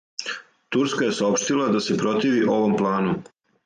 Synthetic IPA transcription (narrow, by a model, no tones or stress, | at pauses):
t̪uɾskaje̞saopʃt̪ilˠad̪ase̞pɾo̞t̪iːʋiʔo̞ʋo̞mplˠaːnu